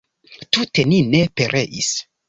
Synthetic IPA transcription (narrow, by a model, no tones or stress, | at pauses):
tute̞nine̞pe̞ɾʔe̞ʔis